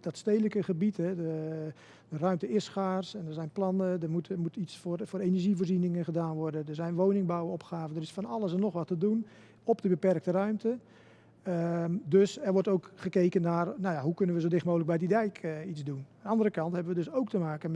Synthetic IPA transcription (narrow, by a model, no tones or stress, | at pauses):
d̥ɔtstejləkəχəbitɦɛdə | dərœɥmtəɪsxaːrsɛndəɹzɛjnplɑnədərmutmutisfrfoːɾeːnəɹʒivoːrzinɪŋənχədaːnʋɔrdədəɹzɛjnʋoːnɪŋbawəɔpxaːvəndərɪsfɔnɑləsənːɔχʋɑtədun | ɔpdəbəpɛrk̚tərœɥmtə | ədøsɛrʋɔrtowkχəkeːkənːaːrnajaɦukɵnənʋəzodɪxmoːlək̚bɛjdidɛjkit͡sdunnɑndərəkɑntɦɛbəʋədøsowk̚təmaːkən